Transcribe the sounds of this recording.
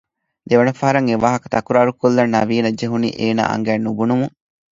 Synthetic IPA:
d̪eʋɐnɐfɐɦɐɾɐŋeʋaːɦɐkɐ̥t̪ɐkuɾaːɾukolːɐnːɐʋiːnɐd͡ʒeɦunḭːʔeːna̰ːʔɐ̰ŋɡæːnːubunumuŋ

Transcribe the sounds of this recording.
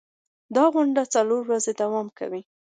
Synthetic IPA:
d̪ɑɣʊɳɖat͡saloɾwazed̪awɑmka̰wi

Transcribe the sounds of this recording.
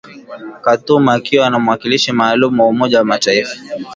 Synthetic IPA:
katumaakiwanamwakiliʃimaːlumuwaumɔʄawamataifḁ

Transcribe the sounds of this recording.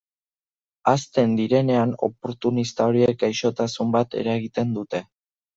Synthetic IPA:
ast̪e̞nd̪iɾe̞ne̞ano̞̰po̞ɾt̪unist̪ao̞ɾiek̚ɡajʃo̞t̪asumbat̪e̞̰ɾaɣit̪e̞nd̪ut̪e̞

